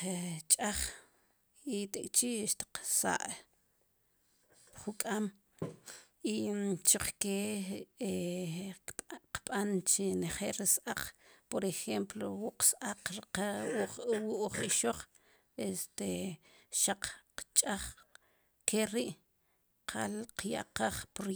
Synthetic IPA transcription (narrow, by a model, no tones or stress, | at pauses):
t͡ʃʼaχ | it̪ekʼt͡ʃiʃt̪i̥qsa̰ʔ | χukʼam | it͡ʃiq͡χkee | qɓʼant͡ʃeneχeʔlɾisʔaq͡χpoɾexemplowuʔqsʔaqɾiquwuʔχiʃoχ | est̪eʃaq͡χqt͡ʃʼaχ | kʰeɾiʔ | qʰa̰lqja̰ʔqaχpɾ